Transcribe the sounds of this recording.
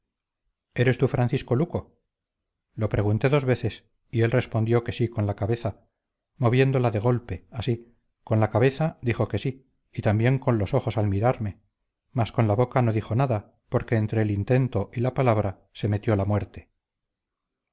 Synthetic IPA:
e̞ɾe̞st̪ufɾʔanθisko̞luko̞ | lo̞pɾe̞ɣunt̪e̞ðo̞zβe̞θe̞s | ie̞lre̞spo̞nd̪jo̞ke̞siko̞nlakaβe̞θa | mo̞β̞je̞nd̪o̞laðe̞ɣ̞o̞lpe̞asi | ko̞nlakaβe̞θad̪iχo̞ke̞siː | t̪ambje̞ŋko̞nlo̞so̞χo̞salmiɾaɾme̞ | masko̞nlaβo̞kano̞ðixo̞naða | po̞ɾke̞ːnt̪ɾe̞ːlint̪e̞nt̪o̞ʔilapalaβ̞ɾa | se̞me̞t̪jo̞lamwe̞ɾt̪e̞̥

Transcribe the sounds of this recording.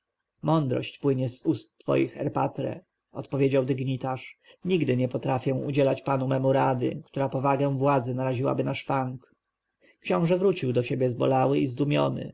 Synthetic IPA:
mɔnd̪ɾɔ̰ɕt͡ɕpwɘɲɛzust̪ːfɔ̰jḭxɛ̰ɾpa̰t̪ɾɛ̰ | ɔt̪pɔvʲjed͡ʑawd̪ɘɡɲit̪aʂɲiɡd̪ɘɲɛpɔt̪ɾafʲjɛw̃ṵd͡ʑɛlat͡ɕpanumɛmuɾad̪ɘ̰kt̪uɾapɔvaɡɛ̃w̃vwad̪zɘnaɾaʑiwa̰bɘnaʂfaŋk | kɕɔ̃w̃ʐɛvɾut͡ɕiwd̪ɔɕebʲjɛzbɔ̰lawɘizd̪umʲjɔ̰nɘ̰

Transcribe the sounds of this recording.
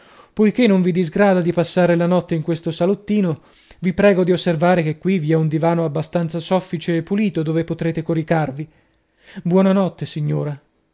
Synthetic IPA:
pojkenːoɱvid̪izɡɾaːd̪ad̪ipasːaːɾelanɔt̪ːeiŋkwest̪osalot̪ːiːno | vipɾɛːɡod̪iosːervaːɾek̟ekːwiviɛund̪ivaːnoabːast̪ant̪sasɔfːit͡ʃeːpːuliːt̪od̪oːvepot̪ɾeːt̪ekoɾikarvi | bwɔːnanɔt̪ːesiɲːoːɾa

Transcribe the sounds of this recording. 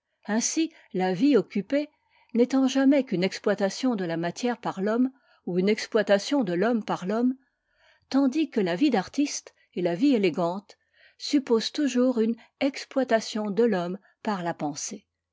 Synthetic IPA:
ɛ̃si | laviɔkʲype | nɛt̪ɑ̃ʒamɛkynɛksplwat̪asjɔ̃d̪əlamat̪jɛʁpaʁlɔm | uynɛksplwat̪asjɔ̃d̪əlɔmpaʁlɔm | t̪ɑ̃d̪ikəlavid̪aʁt̪ist̪ | elavieleɡɑ̃t̪ | sypozt̪uʒuʁyn | ɛksplwat̪asjɔ̃d̪əlɔm | paʁlapɑ̃se

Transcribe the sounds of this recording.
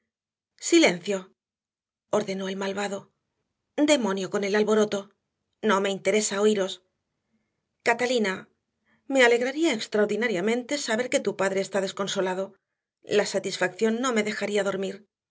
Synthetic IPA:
sile̞nθjo̞ | oɾðe̞no̞e̞lmalβaðo̞ | d̪e̞mo̞njo̞ko̞ne̞lalβo̞ɾo̞t̪o̞ | no̞me̞int̪e̞ɾe̞sao̞iɾo̞s | kat̪alina | me̞ale̞ɣɾaɾiaekst̪ɾawɾðinaɾjamẽ̞nt̪e̞saβe̞ɾke̞t̪upaðɾe̞ːst̪aðe̞sko̞nso̞laðo̞ | lasat̪isfakθjo̞nːo̞me̞ðe̞xaɾiaðo̞ɾmiɾ

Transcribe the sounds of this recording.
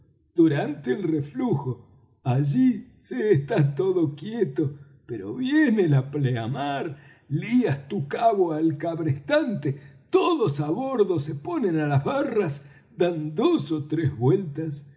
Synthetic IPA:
d̪uɾant̪eːlrefluxo | aʒiseːst̪at̪oðo̞kjet̪o | peɾo̰βjenelapleamaɾ | liast̪ukaβoalkaβɾest̪ant̪et̪oðosaβoɾðosepo̞nẽnalazβaras | d̪and̪osot̪ɾezβwelt̪as

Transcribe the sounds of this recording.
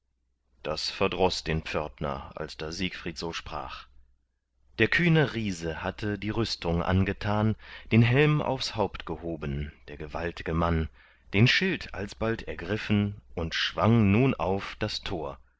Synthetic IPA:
d̥a̰sfɛɐdʁɔsd̥eːnp͡fœɐtnɐ̰a̰lsd̥aziːkfʁ̥iːtz̥oːʃpʁ̥a̰ːχ | d̥eːɐkʰyːnəʁiːzəhatʰədiːʁʏstʰʊŋʔa̰nɡətʰaːnd̥eːnɦɛlmʔa̰ʊfshaʊptɡ̥əhoːbənd̥eːɐɡəva̰ltɪɡəman | d̥eːnʃɪlta̰lsb̥altʰɛɐɡʁɪfn̩ʔʊntʃv̥aŋnuːnʔa̰ʊfd̥astʰoːɐ

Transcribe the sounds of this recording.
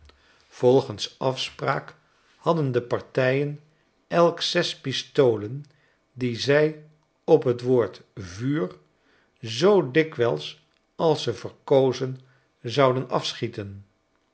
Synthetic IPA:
v̥ɔlˠχənsɑfspra̰ːk | hɑdəndəpɑɹtɛjən | ɛlˠksɛspistowlən | dizɛj | ɔpɦətʋoːɹtvyːr | zowdɪkʋɛlˠs | ɑlˠsəvəɹkowzən | zɑwdənɑ̰fsχitən

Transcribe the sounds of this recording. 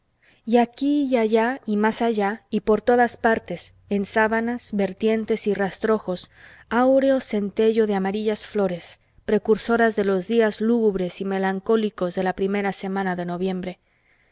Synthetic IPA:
jakijaʝaimasaʝaipo̞ɾt̪o̞ðaspaɾt̪e̞s | ensaβanazβe̞ɾt̪je̞nt̪e̞sirast̪ɾo̞xo̞s | awɾe̞o̞se̞nt̪e̞ʝo̞ðeamaɾiʝasflo̞ɾe̞s | pɾe̞kuɾso̞ɾazðe̞lo̞zðiazluɣuβɾe̞sime̞laŋko̞liko̞zðe̞lapɾime̞ɾase̞mãnaðe̞no̞βje̞mbɾe̞

